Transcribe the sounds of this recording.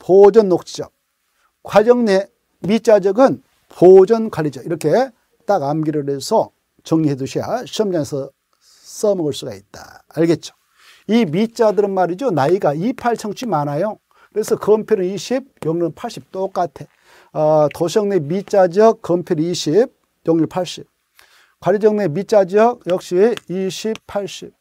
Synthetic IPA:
pod͡ʑʌnːok̚t͡ɕ͈id͡ʑʌk̚ | kwad͡ʑʌŋne | mit͡ɕ͈ad͡ʑʌɡɯn | pʰod͡ʑʌnkwaɾid͡ʑʌiɾʌkʰe̞ | t͈aɡamɡiɾɯɾe̞sʰʌ | t͡ɕʌŋɲiɦeduɕʰija̰ɕʰʌmd͡ʑaŋesʰʌ | s͈ʌmʌɡʌɭs͈uɡa̰it̚t͈a̰ːɭɡe̞t̚t͡ɕ͈o̥ | imit͡ɕ͈adɯɾɯnmaɾid͡ʑonaiɡaipʰaɭt͡ɕʰʌŋt͡ɕʰimanajo | kɯɾe̞sʰʌkʌmpʰjoɾɯniɕʰib̚joŋnɯnpʰaɭɕ͈ip̚t͈ok͈atʰe̞ | toɕʰʌŋnemit͡ɕ͈ad͡ʑʌk̚ːʌmpʰjoɾɯniɕʰib̚ | joŋɲɯɭpʰaɭɕ͈ip̚ | kwaɾid͡ʑʌŋnemit͡ɕ͈ad͡ʑʌk̚jʌk̚ɕ͈iiɕʰippʰaɭɕ͈ip̚

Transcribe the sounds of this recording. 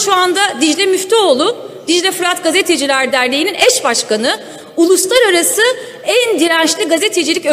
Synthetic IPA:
ʃuand̪ad̪iʒlʲɛmyft̪ʰɛolˠʊ | d̪̥iʒlʲɛfɯɾat̪ɡazet̪ʰe̞d͡ʒilʲæɾd̪æɾlʲejininɛʃbaʃkanɯ | ulˠuslˠaɾaɾasɯ | ænd̪iɾænʃlʲiɡazet̪ʰe̞d͡ʒilʲicø

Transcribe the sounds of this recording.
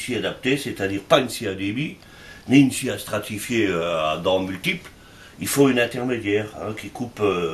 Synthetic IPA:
siad̪ap̚t̪eset̪ad̪iːʁpaynsead̪ebi | niynsiast̪χat̪ifjeøad̪ɑ̃mylt̪ipl | ilfoynɛ̃t̪ɛʁmed̪jɛːʁɛ̰̃kʲikupø

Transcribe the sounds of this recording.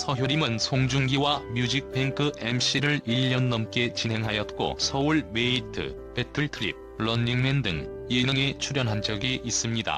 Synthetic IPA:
sʰʌɦjoɾimɯnsʰoŋd͡ʑuŋɡiwamjud͡ʑik̚pʰeŋkʰɯemɕ͈iɾɯɭiʎːʌnːʌmk͈e̞t͡ɕinɦe̞ŋɦajʌt̚k͈o̰sʰʌuɭme̞itʰɯ̰ | petʰɯɭtʰɯɾḭp̚ɭʌniŋmendɯ̰ŋienɯŋe̞t͡ɕʰuɾjʌnɦand͡ʑʌɡiis͈ɯmɲida̰

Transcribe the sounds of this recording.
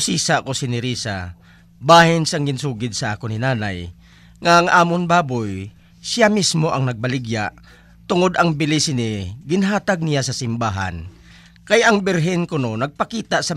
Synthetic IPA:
siːsakosɪnɪɾiːsa̰ | baːhɪnsaŋɡɪnsuːɡɪd̪̚sɐʔaːkonɪnaːna̰j | ŋaʔaŋʔaːmonbaːboj | sɪjamismoʔɐŋnɐɡ̚bɐlɪɡjaʔ | t̪ʊŋod̪ɐŋbɪlɪsɪnɪɡɪnɦaːt̪aɡ̚nijasɐsɪmbaːɦa̰n | kajɐŋbɪɾɦɪnkʊnonɐɡ̚pɐkiːt̪aʔsɐ

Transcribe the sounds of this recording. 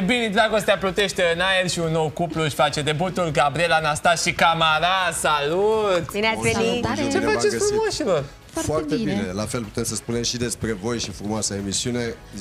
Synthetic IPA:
binid̪ɾaɡo̞st̪eaplot̪e̞ʃt̪eɨnaerʃiunːowkupluʃʲfat͡ʃe̞d̪e̞but̪ulɡabɾielanast̪asʃikamaɾasalut̪aenit͡ʃe̞faefɾumoʃilor | foart̪ebine̞lafe̞lpu̥t̪e̞msəspune̞mʃid̪e̞spɾe̞vo̞jʃifɾumoasaemisiune̞

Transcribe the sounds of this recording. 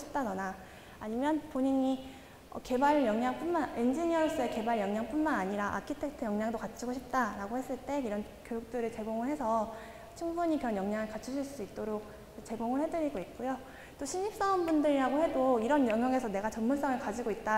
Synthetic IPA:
ɕʰip̚t͈anʌnaː | ɲimjʌnpoɲiɲi | ʌ̰ke̞baɭjʌŋɲaŋp͈unmane̞nd͡ʑiɲiʌs͈ɯe̞ke̞baɭjʌŋɲaŋp͈unmanaɲiɾaʔa̰kʰitʰe̞k̚tʰɯjʌŋɲaŋdokat͡ɕʰiɡoɕʰip̚t͈aɾaɡohe̞s͈ɯɭt͈e̞iɾʌn | kjojuk̚t͈ɯɾɯɭt͡ɕe̞ɡoŋɯɭhe̞sʰʌ | t͡ɕʰuŋbuɲikɯɾʌnjʌŋɲaŋɯɭkat͡ɕʰuɕʰiɭs͈uit̚t͈oɾok̚ | t͡ɕe̞ɡoŋɯɭhe̞dɯɾiɡoit̚k͈ujo | t͈oɕʰiɲːip̚s͈ʌonbundɯɾiɾaɡohe̞doiɾʌnjʌŋjʌŋe̞sʰʌne̞ɡat͡ɕʌmmuɭs͈ʌŋɯɭkad͡ʑiɡoit̚t͈a

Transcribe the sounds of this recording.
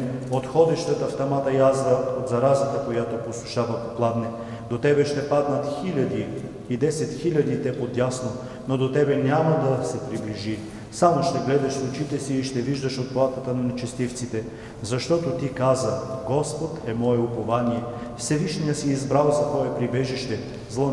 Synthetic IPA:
ot̪xɔd̪ɛʃt̪ɛt̪ɐft̪ɐmat̪ɐjazɾəod̪zɐɾazit̪əkojat̪oposˠʊʃavɐkoplˠad̪nɛ | d̪ot̪ɛbɛʃt̪ɛpad̪nɐt̪xilʲɐd̪i | id̪ɛsɛt̪xilʲɐd̪it̪ɛpod̪jasno | nod̪ot̪ɛbɛnʲamɐd̪ɐsɛpɾibliʒi | samoʃt̪ɛɡlɛd̪ɐʃsˠʊt͡ʃit̪ɛsiːʃt̪ɛviʒd̪əʃot̪̚plˠat̪ət̪ənɐnɛt͡ʃɛst̪ift̪sit̪ɛ | zɐʃt̪ɔt̪ot̪ikazəɡɔspot̪ɛmɔɛʊpovanijɛfsɛviʃnijəsiːzbɾalˠzɐt̪vɔɛpɾibɛʒiʃt̪ɛ | zlˠo

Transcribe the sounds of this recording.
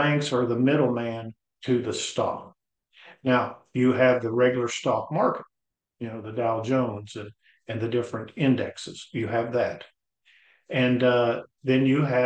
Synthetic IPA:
æ̃ŋksə˞ðəmɪɾl̩ˠmæ̃n | tʰɨðɨstɑ̰k | naʊjɨːvðɨɹɛɡjl̩ˠə˞stɑk̚mɑɹkət̚ | jɨnoʊðɨdælˠd͡ʒõʊ̃nz̥ɨ̃n | ɨ̃nðɨdɪfɹɨ̃ntɪ̃ndɛ̰ksɨz̥jɨːvðɨt | ɨ̃nðɨ̃njɨɨ

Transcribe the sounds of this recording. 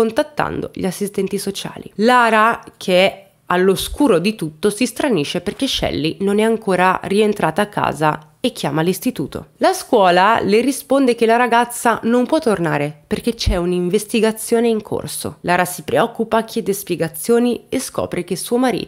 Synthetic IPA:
ont̪at̪ːa̰nd̪o̰ʎiasːist̪ɛnt̪isot͡ʃa̰ːlḭlaːɾakʰeɛ | alːoskuːɾod̪it̪ut̪ːosist̪ɾaniːʃeperk̟eʃːɛ̰lːinonɛaŋkʰoːɾarient̪ɾʔaːt̪aːkːa̰ːza | ekːjaːmalist̪it̪ṵːt̪o̰laskwɔːlalerispond̪ek̟elaɾaɡat̪sːanompwɔt̪ːorna̰ːɾeperket͡ʃɛuniɱvest̪iɡat̪sːjoːneiŋkʰo̰rso̰laːɾasipɾeɔkːupak̟ːjɛd̪espjɛɡat̪sːjoːnieskɔ̰ːpɾek̟esuːomaɾḭːt̪

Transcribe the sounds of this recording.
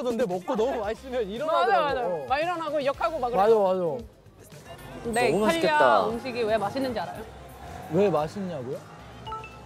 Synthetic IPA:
ʌdɯndemʌk͈odomaɭs͈ɯmjʌniɾʌmad͡ʑajomad͡ʑajoomaiɾʌnɦaɡojʌkʰaɡomaɡɯmad͡ʑamad͡ʑa | neaʎːeaaumɕʰiɡiwe̞maɕʰinːɯnd͡ʑiaɾajowe̞maɕʰiɲaɡojo

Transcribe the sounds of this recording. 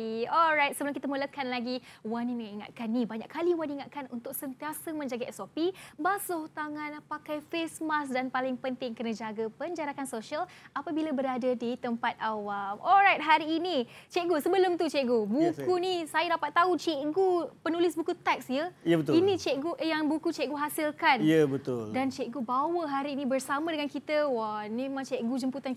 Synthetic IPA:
ɔlɾajt̪̚səbəlʊmkit̪amələkanlaɡiwaniməŋiŋa̰t̪̚kanːibaɲaʔkʰːaliwaniŋat̪̚kanunt̪ʊk̚sənt̪iasəmə̃ɲd͡ʒaɡaɛsopibasoht̪aŋãnpakajfesmasdanpalɪŋpənt̪ɪŋkənad͡ʒaɡapəɲd͡ʒaɾakansoʃialapabilabəɾadadit̪əmpat̪̚awamɔlɾajt̪̚ɦaɾiːnit͡ʃɛʔɡusəbəlʊmt̪ut͡ʃɛʔɡubukunisajədapat̪ːaut͡ʃeʔɡupənulɪsbukut̪ɛk̚sjəjəət̪inĩt͡ʃɛʔɡuʔjaŋbukut͡ʃɛʔɡuɦasilkanjəbət̪ʊldant͡ʃɛʔɡubawəɦaɾiːnĩbərsamə̃dəŋankit̪əwamẽmãŋt͡ʃɛʔɡud͡ʒəmput̪an

